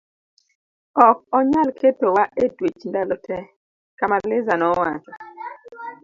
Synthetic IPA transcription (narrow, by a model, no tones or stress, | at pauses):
ɔk̚ɔɲalkʰetowaʔedwet͡ʃndalɔtʰɛ | kamaɾlɪzanɔwat͡ʃɔ